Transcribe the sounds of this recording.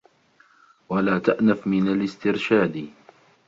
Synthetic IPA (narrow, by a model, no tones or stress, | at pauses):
walaːt̪aʔnafmɪnalɪst̪ɪɾʃaːd̪